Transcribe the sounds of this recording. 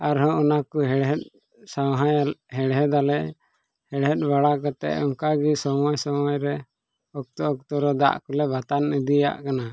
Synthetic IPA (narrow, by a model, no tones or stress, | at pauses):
aɾɦɔ̃ʔɔnakuɦɛɽɦɛt̪̚ | sawɦajɦɛɽɦɛd̪alɛʔ | hɛɽɦɛt̪̚ˀbaɽakɔt̪ɛ̰ʔɔŋkaɡisɔmɔjsɔmɔjɾɛ | ɔk̚t̪ɔɔk̚t̪ɔɾɔd̪a̰ʔkɔlɛbat̪anid̪ija̰ʔkana